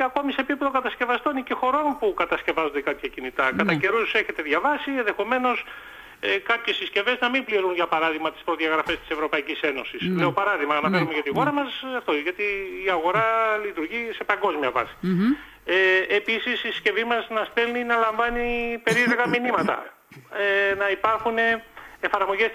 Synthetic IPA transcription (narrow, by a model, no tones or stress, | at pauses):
ɐko̞misepipeðo̞kɐt̪ɐsce̞vɐst̪o̞nicexo̞ɾo̞npukɐt̪ɐsce̞vɐzo̞nd̪ekɐpçɐcinit̪ɐkɐt̪ɐce̞ɾuse̞çe̞t̪e̞ðʝɐvɐsienðe̞xo̞me̞no̞s | ekɐpçe̞sisce̞ve̞znɐmimbliɾunʝɐpɐɾɐðiɣmɐt̪i̥spɾo̞ðiɐɣɾɐfe̞st̪i̥se̞vɾo̞pɐicise̞no̞sisle̞o̞pɐɾɐðiɣmɐɐnɐfenume̞ʝɐt̪ixo̞ɾɐmɐsɐft̪oʝɐt̪iːɐɣo̞ɾɐlit̪uɾʝise̞pɐŋɡo̞zmiɐvɐ̰si̥ | eːpisisisce̞vimɐznɐst̪e̞lninɐlɐɱvɐnipe̞ɾiɾeɣɐminimɐt̪ɐ̰ | enɐipɐɾxune̞efɐɾmo̞ʝes